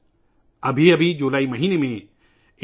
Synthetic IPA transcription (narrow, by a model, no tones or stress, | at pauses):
ɐbʱiɐbʱid͡ʒoːlaːimɐɦiːnemẽ